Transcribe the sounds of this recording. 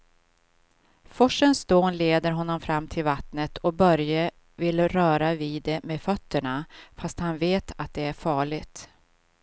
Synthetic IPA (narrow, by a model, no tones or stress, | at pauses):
fɔʂənsd̪oːnleːd̪əɾɦɔnːɔmfɾamːt̪ʰɪlvat̪nət̪ʰɔbœɾjə | vɪlɾœːɾaviːd̪ɛmeːfœt̪ːəɳafast̪hanveːt̪ʰat̪̚d̪ɛæɾfɑːɭɪɡt̪